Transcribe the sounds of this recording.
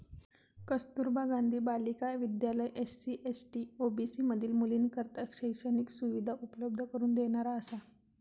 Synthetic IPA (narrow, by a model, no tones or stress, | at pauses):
kəst̪uɾbʱaɡand̪ʱiːbalikaʋid̪jaləjʔessiʔesʈiːobisiːməd̪ʱiːlmuliːnkəɾt̪əkɕəjsəniːksuʋid̪ʱaʔupələb̚d̪ʱəkəɾuːnd̪eɳ̃aɾaəsa